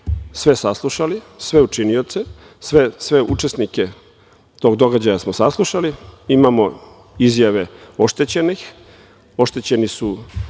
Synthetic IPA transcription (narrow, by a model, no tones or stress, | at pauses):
sʋe̞saslˠuʃalisʋe̞ut͡ʃinijo̞t̪se | sʋesʋe̞ʔut͡ʃe̞snike̞ | t̪o̞ɡd̪o̞ɡad͡ʑajasmosaslˠuʃaliimamo̞ | izjaʋe̞o̞ʃt̪e̞t͡ɕe̞nix | o̞ʃt̪et͡ɕe̞nisu